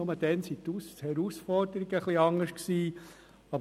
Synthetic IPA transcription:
ʊməd̥ɛnsit̪ushɛɾusfɔɾd̥̪əɾiɡəχliɑŋəʃksiː | ɑbə

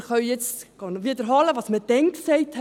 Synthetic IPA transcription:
χœɥjɛt͡sɡ̥ɑnʋiːdəɾɦɑləʋɑːsməd̥ɛnksɛɪth

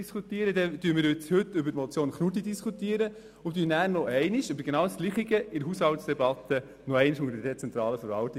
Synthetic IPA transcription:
skut̪iːəɾədɛd̥yːmɪːɾjɪt͡shʏtːʏbəmɔt͡sjoːnχnut̬idiskʰut̪iəɾə | ʊmtyːnæːɾnɔʔɛɪniʃøbəɾɡ̥enɑːwsɡ̥liχiɡəɪɾɦushɑltsd̥̪ɛbɑt̪ːə | noɛɪniʃʊŋəɾədɛt͡sɛnt̪ɾɑːləfəɾvɑlt̪i

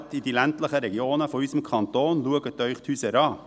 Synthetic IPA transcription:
t̪id̪iːlɛnt̪ləχəɾɛɡɪoːnəfɔyːsəm̩kʰɑnt̪oːnluəɡət̪œʏχt̪hʉːsəɾɑː

